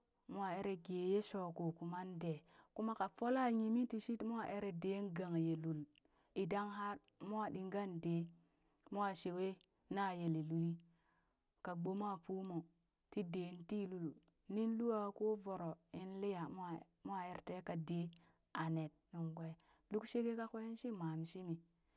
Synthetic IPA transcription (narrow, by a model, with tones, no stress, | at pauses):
mu˦a˨e˦ɾe˨ɡe˨je˦so˨ko˨ku˨ma˦nde˨ku˦ma˦ka˨fo˦la˦ɲi˨mi˦ti˨ʃi˦tmu˦a˦ʔe˦ɾe˨de˦nɡa˨ŋje˨lu˨l | i˨da˦ŋɦa˦ɾ | mu˦a˦˨ɗi˨ŋɡa˦nde˨˦ | mu˦a˨ʃe˨we˦ | na˦je˨li˨lu˨ji˦ | ka˨ɡ͡bo˦m˦a˦˨pu˦mo˨ | ti˦de˨˦nti˦lu˨l | ni˦n˦lu˦wa˨ko˦vo˨ɾo˨e˦nli˦ja˨m˦a˨ | mo˦a˦˨e˨ɾte˦ka˨de˦ | a˨ne˨t̚nu˨ŋɡʷa˦˨ | lu˦kʃe˦ɡe˦ka˦ko˦e˦nʃi˦ma˨mʃi˦mi˨